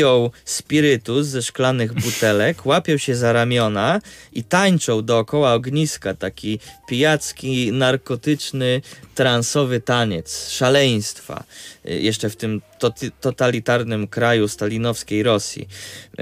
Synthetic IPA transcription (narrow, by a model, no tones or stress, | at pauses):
ɔwspʲiɾɘt̪uzɛʂklanɘɣbut̪ɛlɛkwapʲɔwɕɛzaɾamʲjɔnait̪aɲt͡ʂɔ̃wd̪ɔːkɔwaɔɡɲiskat̪akʲipʲijat̪skʲinaɾkɔt̪ɘt͡ʂnɘt̪ɾansɔvɘt̪aɲɛt̪sʂalɛj̃st̪fa̰jʔɛʂt͡ʂɛft̪ɘm | t̪ɔt̪alʲit̪aɾnɘmkɾajust̪alʲinɔfskʲejɾɔsʲjḭ